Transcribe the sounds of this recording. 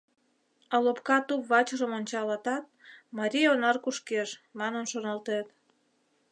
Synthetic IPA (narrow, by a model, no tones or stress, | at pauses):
ɑlopkɑt̪upβɑt͡ɕəʒəmonʲt͡ɕɑlɑt̪ɑt̪̚mɑɾʲijonɑrkuʃkeʃmɑnənʃonɑlt̪et̪